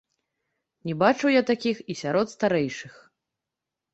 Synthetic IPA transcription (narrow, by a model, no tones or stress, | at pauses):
nʲɛbat͡ʂɨwjat̪akʲixisʲaɾɔt̪st̪aɾɛjʂɨx